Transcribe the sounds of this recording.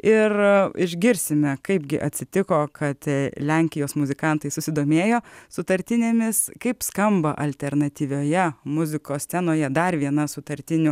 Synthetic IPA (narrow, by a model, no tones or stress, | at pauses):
ɪrɪʒʲɡʲɪɾʲsʲɪmʲɛkɐɪbɡʲɪʔɐt̪ʲsʲɪt̪ʲɪkoːkɐt̪lʲæŋʲkʲɪjoːsmʊzʲɪkɐnt̪ɐɪsʊsʲɪd̪oːmʲeːjoːsʊt̪ɐɾʲt̪ʲɪnʲeːmʲɪskɐɪpskɐmbɐʔɐlʲt̪ʲɛrnɐt̪ʲiːʋʲoːjɛmʊzʲɪkoːst̪ʲɛnoːjɛd̪ɐrʋʲiɛnɐsʊt̪ɐɾʲt̪ʲɪnʲʊ